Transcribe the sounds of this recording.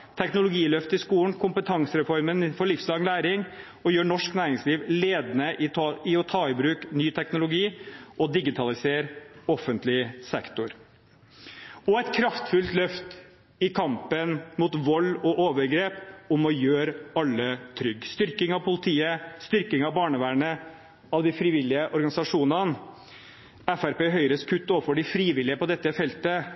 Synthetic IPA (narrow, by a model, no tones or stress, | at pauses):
t̪ʰɛknʊlʊɡiːlœft̪ɪskuːn̩kʰʊmpət̪ʰɑŋsəɾɛfɔɾmənfɔɭɪfslɑːɡlæːɾɪŋ | ɔjøːɳɔʂknæːɾɪŋsliːʋleːd̪nəɪɪɔt̪ʰɑːɪbɾʉːknyːt̪ʰɛknʊlʊɡiːʔɔd̪ɪɡɪt̪ʰɑlɪseːɾɔfənt̪lɪsɛkt̪ʊɾ | ɔɛɪt̪kʰɾɑft̪fʉlt̪lœft̪ | ɪkʰɑmpənmut̪ʋɔlːɔʔoːʋəɾɡɾeːpʊmɔjøːɾɑlːət̪ʰɾʏɡːst̪ʏɾkɪŋɑʋpʰʊlɪt̪ʰiːəst̪ʏɾkɪŋɑʋbɑːɳəʋæːɳə | ɑʋd̪ɪfɾiːʋɪlːɪəʔɔɾɡɑnɪsɑʂuːnɑn | æfæɾpeːɦœʏɾəskʰʉt̪ːoːfɔɖɪfɾiːʋɪlɪəpɔd̪ɛt̪ːəfɛlt̪ə